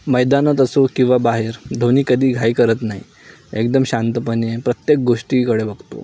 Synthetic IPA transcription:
məjd̪anət̪əsokĩw̃ʋabaɦeɾd̪ʱoniːkəd̪ʱiːɡʱajkəɾət̪naɦḭ | ekd̪əmɕant̪əpəɳjepɾət̪jek̚ɡoʂʈiːkəɽebəɡt̪o̰

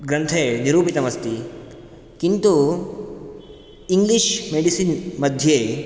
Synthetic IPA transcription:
ɡɾɐnt̪ʰeniɾuːpit̪ɐmɐst̪i | kint̪u | iŋɡliʃmeːɽisinmɐd̪ʱjeː

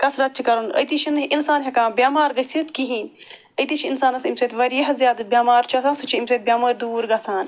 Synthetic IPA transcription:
kɐsɾɐt͡ʃʰikɐɾunɐ̰jt̪iʃʰinʔinsaːnɦekãːbjaːmaːɾɡɐsit̪kiɦiːn | əjt̪iʃʰinsaːnɐsimseːt̪ʰʋɐɾiɐɦɐzʲjaːd̪bʲjaːmaːɾt͡ʃʰuɐt̪ʰaːnsut͡ʃʰiimseːt̪̚bʲjaːmaːɾd̪uːɾɡɐt͡s̪ʰaːn

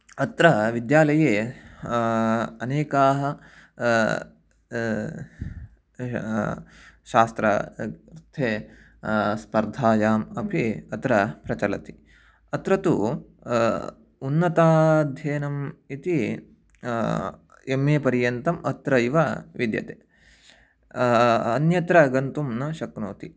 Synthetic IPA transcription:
ɐt̪ɾɐʋid̪jaːlɐjeː | ɐneːkaːɦɐ | ʃaːst̪ɾɐ̰ɾt̪ʰeː | spɐɾd̪ʱaːjaːmɐpʰiɐt̪ɾɐpɾɐt͡ʃɐlɐt̪i̥ | ɐt̪ɾɐt̪u | unːɐt̪aːd̪ʱjeːnɐmit̪i | emːeːpɐɾjɐnt̪ɐmʔɐt̪ɾɐiʋɐʋid̪jɐ̰t̪eː | ɐnjɐt̪ɾɐɡɐnt̪umnɐʃɐknoːt̪i

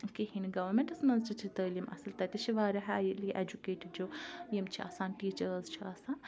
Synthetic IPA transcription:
kiɦinɡɐʋɐɾmeɳʈɐsmɐnzt͡ʃit͡ʃʰit̪əːlimʔɐ̰sɨlt̪ɐt̪ʲit͡ʃʰiʋaːɾɐɦajiliʔed͡ʒukeːʈiɖd͡ʒojimt͡ʃʰiʔa̰ːsaːnʈiːt͡ʃɐɾzt͡ʃʰiaːsaːn

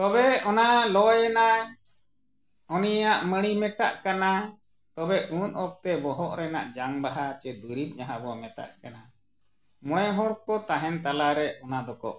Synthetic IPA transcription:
t̪ɔbɛɔnalɔjɛna | ɔnijaʔməɽ̃imɛʈa̰ʔkana | t̪ɔbɛʔunɔp̚t̪ɛbɔɦɔʔɾɛna̰ʔd͡ʒaŋbaɦat͡ʃɛd̪uɾim̚ɲaɦabɔmɛt̪a̰ʔkana | mɔɽ̃ɛɦɔɽkɔt̪aɦɛnt̪alaɾɛʔɔnad̪ɔkɔ̰ʔ

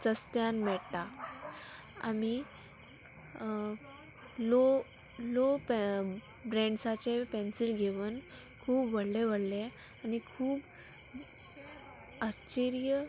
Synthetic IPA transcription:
t̪əst̪janmɛɭt̪a | a̰mi | lo | lop | bɾɛ̃ɳɖsat͡sepensilɡʱeʋən | kʰuːbʋəɽleʋəɽle | anikʰuːb | ət͡ɕeɾijə

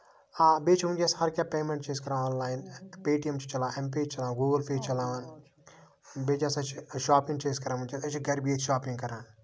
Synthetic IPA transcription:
aːbeːt͡ʃʰʋũnd͡ʒaːshɐɾkʲaːpeːmẽɳʈ̚t͡ʃeːskɐɾãːõːnlaːinpeːʈijemt͡ʃʰi̥t͡ʃɐlãːemp̬eːt͡ʃt͡ʃɐlaːɡuːɡəlpʰeːd͡ʒt͡ʃɐlaːʋan | beːd͡ʒasɐt͡ʃʰʃaːpĩŋɡt͡ʃeːskɐɾaːʋũnt͡ʃasɐt͡ʃʰiɡɐɾbijet̪ʰʃaːpĩŋɡkɐɾãːn

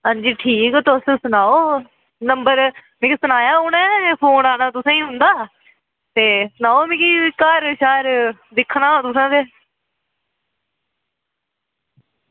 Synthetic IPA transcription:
ɦãːɲd͡ʒiːʈʰiːkt̪ʊssʊnaːoː | nəmbəɾmẽːkisʊnaːjaːɦʊːnaːpʰoːnaːnaːt̪ʊsãːĩːɦʊ̃nd̪aː | t̪eːsʊnaːoːmẽːkiːkaɾʃaːɾ | d̪ɪkʰːnãːt̪ʊsãːd̪eː

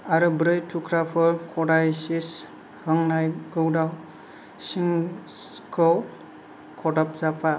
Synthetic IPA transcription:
aɾubɾɯjtʰukʰɾapʰɔɾkʰɔdajsis | ɾɔŋnajɡɯwdaw | siŋ | kɔw | kʰɔdɔpzapa

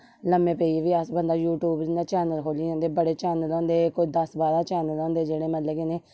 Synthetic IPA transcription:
ləmẽːpeːiʋiːəsbənd̪aːjuːʈjuːbd͡ʒɪnd̪aːt͡ʃɛːnəlkʰoːliːõːnd̪eːbəɽeːt͡ʃɛːnəlɔ̃ːnd̪eːkʊd͡ʒd̪əsbaːɾaːt͡ʃɛːnəlɔ̃ːnd̪eːd͡ʒeːɽeːmət̪leːkeneː

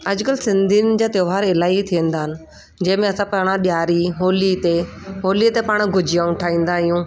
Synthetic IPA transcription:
ɐd͡ʑʊkəlsɪ̃nd̪ʱinɪ̆d͡ʑaːt̪joːʋaːɾɪlaːit̪ʰiə̃nd̪aːɦɪnɪ̆ | d͡ʑɐ̃ɦɪ̃mẽɐsãpɐɽ̃ãɗjaːɾiɦoːlit̪eɦoːlit̪epaːɽ̃ɡʱʊd͡ʑɪjaːũʈʰaːĩːn̆d̪aːɦɪjũː

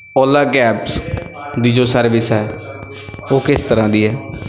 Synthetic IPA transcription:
ɔːlaːɡɛːps | d̪iːd͡ʒoːsəɾʋɪsɦɛː | oːkɪst̪əɾãːd̪iːɦɛː

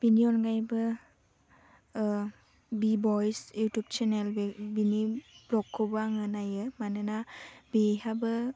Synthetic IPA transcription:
b̥iniɔnɡajbɯ | bibɔjsjutup̚t͡ʃʰenelbiniblɔkʰːɔbaŋɯnajɯmanɯnabiɦabɯ

